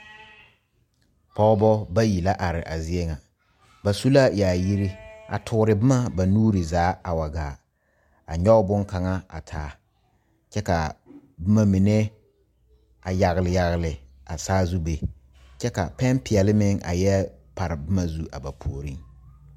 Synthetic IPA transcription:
pɔ˦bɔ˦ba˦ji˨la˦ʔa˨ɾɪ˨ʔa˨zɪ˦ɛ˦ŋa˨ | ba˨su˦la˦jaː˨ji˦ɾi˦a̰˨tʰʊ˨˦ɾɪ˨bɪ˦ma˦ba˨nuː˦ɾi˨zaː˨˦a˨wa˨ɡaː˨ | a˨ɲɔ˦ʊ˦bʊ˦ŋka˨ŋa˦a̰˨tʰaː˨˦ | t͡ʃɛ˦ka˨bɪ˦ma˦mi˨nɛ˦ | a˨ja˨ɣlɪ˨ja˨ɣlɪ˨ | a˨saː˦zu˦be˨ | t͡ʃɛ˦ka̰˨pɛ˦npɪ˨ɛ˨lɪ˦mɪ˦ŋa̰˨jɛ˦pa˨ɾɪ˨bɪ˦ma˦zu˦ʔa˨ba˨pʰoː˨ɾi˦ŋ

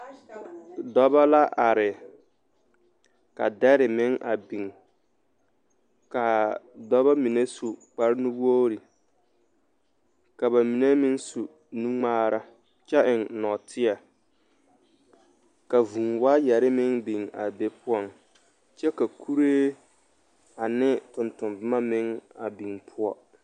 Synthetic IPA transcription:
dɔ˦ba˦la˦ʔa˨ɾɪ˨ | ka̰˨dɛ˦ɾɪ˨mɪ˦ŋʔa˨bi˨ŋ | ka˨dɔ˦βa˦mi˨ne˦su˨k͡pa˨ɾɪ˦nu˦bo˦ɾi˨ | ka˨ba˨mi˨ne˦mɪ˦nsu˨ | nũ˦ŋ͡maː˦ɾʔa˦ | t͡ʃɛ˦ʔɪ˨nnɔ˨tʰɪ˦a˨ | ka˨vu˨ŋwa˦jɛ˨ɾɪ˦mɪ˦ŋbi˨ŋa̰˨be˨pʰʊ˦ɔ˨ŋ | t͡ʃɛ˦ka˨kʰu˦ɾeː˦ | a˨nɪ˦tʊ˨ntʊ˨mbɪ˦ma˦mɪ˦ŋa˨bi˨ŋpʰʊ˦ɔ̰˦

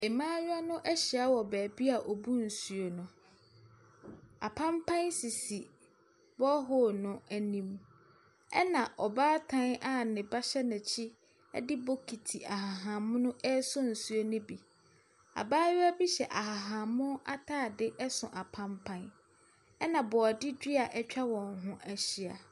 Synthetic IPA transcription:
e˨mãː˦ɥa˦nʊ̃˦ʔɛ˦ɕi˨a˦wɔ˨bæː˨bi˦a˨ʔɔ˨bu˦n̩˨su˨o˨nʊ̃˨ | a˨pʰã˦mpʰã˦nsi˨si˨ | bɔ˦ɦʊ˦˨nʊ̃˦æ˨nĩ˦m | ɛ̰˦nã˨ʔɔ˨baː˦tʰã˦na˨nɪ̃˨ba˦ɕɛ˦nɪ̃˨t͡ɕʰɪ˦ | ɛ̰˦dɪ˦bo˦kʰi˨tʰi˨ʔa˨ɦa˨ɦã˨mʊ̃˦nʊ̃˦ʔɛ˦sʊ˦n̩˨su˦o˦nʊ̃˦bi˨ | a̰˨baː˦ɥɛ˦æ˦bi˦ɕɛ˨ʔa˨ɦa˨ɦã˨mʊ̃˦ʔa˦tʰaː˦˨dɪ˦ʔɛ˦sʊ̃˨ʔa˨pʰã˦mpʰã˦n | ɛ˦nã˨bɔ˨a˨dɪ˦dᶣi˦a˨ʔɛ˦t͡ɕᶣa˦wɔ̃˨ŋ˨ɦʊ̃˦ʔæ˨ɕi˦a̰˨

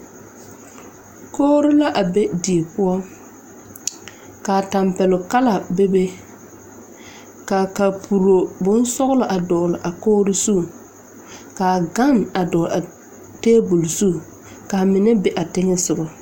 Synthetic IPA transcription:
koː˦ɾɪ˦la˦ʔa˨be˦di˨e˨pʊ˦ɔ˦ | ka˨ta˨mpɛ˨lʊ˨ka˦la˨be˦be˦ | ka˨ka˨pʰu˨ɾo˨bʊ˦n˦sɔ˦ɣʊ˦lʊ˨ʔa˨dɔː˨lʊ˨ʔa˨koː˦ɾʊ˦su˦˨ | kaː˨ɡa˦na˨dɔː˨la˨ | teː˦bu˨lsu˦˨ | ka˨mɪ˨nɛ˦bɛ˨ʔa˨tɪ˦ŋɛ˦sʊ˨bɔ˨

